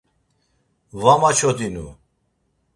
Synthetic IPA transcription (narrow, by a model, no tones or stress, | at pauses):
vamat͡ʃʰɔt̪inṵ